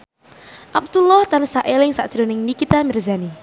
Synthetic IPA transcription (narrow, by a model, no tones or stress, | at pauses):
ʔap̚t̪ulɔht̪ansaʔelɪŋsa̰ʔd̥ʒ̥ɾo̤nɪŋnikit̪amɪrzani